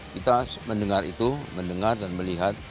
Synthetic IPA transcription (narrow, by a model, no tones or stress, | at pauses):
kit̪aməndəŋarḭt̪uməndəŋardanməliɦat̪̚